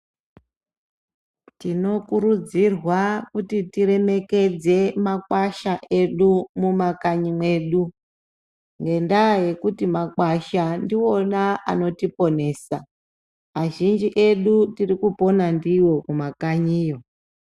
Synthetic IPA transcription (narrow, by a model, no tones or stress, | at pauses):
tino̞kuɾud͡zirwakutitiɾe̞me̞ke̞d͡ze̞makwaʃaʔe̞ɗumumakaɲimwe̞ːɗu | ŋɡe̞ndaje̞kutimakwaʃandio̞naʔa̰no̞tipo̞ne̞ːsa | maʒind͡ʒiʔe̞ɗutirikupo̞nandiwo̞kumakaɲiːjo̞